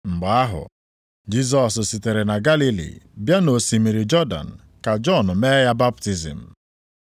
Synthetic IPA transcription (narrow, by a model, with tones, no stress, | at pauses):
ŋ͡m̩˨ɡ͡ba˨a˦ɦʊ̰˨ | d͡ʒi˦z̬ɔ˨ssi˨te˨ɾe˨na˨ɡa˦li˦lḭ˨bja˦no˨si˨mi˨ɾi˨d͡ʒɔ˦da̰˨n̩˨ | ka˨d͡ʒɔ˦˨nʊ˨me˦ja˦ba˦p̚ti˨zḭ˨m̩˨